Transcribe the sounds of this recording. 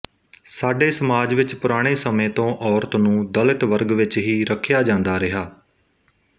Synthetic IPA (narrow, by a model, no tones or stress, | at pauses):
saːɖeːsəmaːd͡ʒʋɪt͡ʃpʊɾaːɽ̃eːsəmẽːt̪õːʔɔːɾt̪nũːd̪əlɪt̪ʋəɾɡʋɪt͡ʃɦiːɾəkʰːjaːd͡ʒãːnd̪aːɾɪɦaː